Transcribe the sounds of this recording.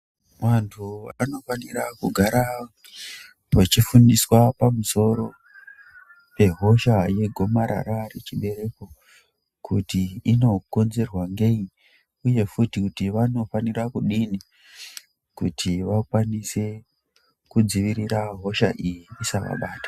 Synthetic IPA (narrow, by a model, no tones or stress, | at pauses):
ʋantʰua̰no̞fanirakuɡʱaɾa | ʋat͡ʃifundiswapamuso̞ɾo̞ | pe̞ɦo̞ʃaje̞ɡʱo̞maɾa̰ɾaret͡ʃiɓe̞ɾe̞ko̞ | kutiːno̞ko̞nze̞rwaŋɡei | uje̞futikutiʋano̞fanirakuɗini | kutʰiʋakwanise̞ | kud͡ziʋiɾiɾaɦo̞ʃaʔijiːsaʋa̰ɓaːtḁ